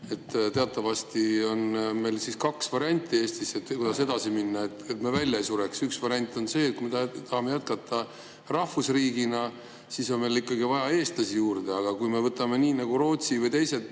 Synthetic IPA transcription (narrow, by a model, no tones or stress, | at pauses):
e̞t̪ːt̪e̞ɑt̪ˑːɑvɑst̪io̞nme̞jlsiskɑksvɑɾiɑnʲt̪ʲːˑie̞ːst̪iset̪kud̪ɑse̞d̪̥ɑsiminːɑet̪ːˑet̪mevælʲjɑejsuɾeksyksvɑɾʲiɑnʲt̪ːˑo̞nse̞ːt̪̚kuijmet̪t̪ɑhɑme̞jæt̪̚kɑt̪ːˑɑ | rɑhfusriːɡinɑ | siso̞nme̞jlikːɑɡivɑjɑe̞ːst̪lɑsijuːrd̪̥e̞ɑɡ̥ɑkujme̞vɤt̪ːˑɑme̞niːnɑɡ̥uɾo̞ːt̪sivɤjt̪e̞jse̞t̪